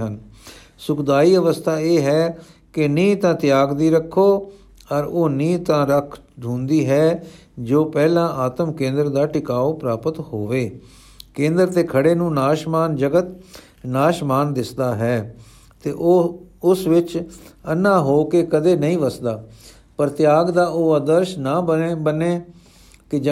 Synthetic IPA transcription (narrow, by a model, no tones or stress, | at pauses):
ɦən | sʊkd̪aːiːəʋəst̪ʰaːeːɦɛːkɪnĩːt̪ãːt̪ɪjaːɡd̪iːɾəkʰːoː | əɾoːnĩːt̪ãːɾəkʰ | ɖʱũːnd̪iːɦɛː | d͡ʒoːpɛːlãːʔaːt̪əmkẽːnd̪əɾd̪aːʈɪkaːoːpɾaːpət̪hoːʋeː | kẽːnd̪əɾt̪eːkʰəɽeːnũːnaːʃmaːnd͡ʒəɡət̪ | naːʃmaːnd̪ɪsd̪aːɦɛː | t̪eːʔʊsʋɪt͡ʃənːãːɦoːkeːkəd̪eːnəĩːʋəsd̪aː | pəɾt̪ɪjaːɡd̪aːʔoːad̪əɾʃnaːbəneː | kɪd͡ʒ